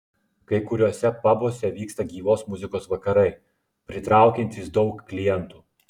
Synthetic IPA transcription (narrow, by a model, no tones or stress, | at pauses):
kɐɪkʊɾʲuɔsʲɛpɑboːsʲɛʋʲiːkst̪ɐɡʲiːʋoːsmʊzʲɪkoːsʋɐkɐɾɐɪ | pʲɾʲɪt̪ɾɑˑʊkʲɛnʲt̪ʲiːsd̪ɒʊkːlʲɪjɛnt̪uː